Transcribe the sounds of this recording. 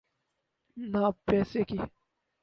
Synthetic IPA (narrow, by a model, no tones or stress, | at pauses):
naːpɛːseki